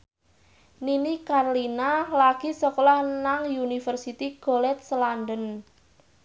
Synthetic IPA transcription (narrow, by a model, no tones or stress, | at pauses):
ninikarlinalaɡ̥i̤sɔkɔlahnaŋjunifərsit̪iɡ̥olɛt̪̚slandən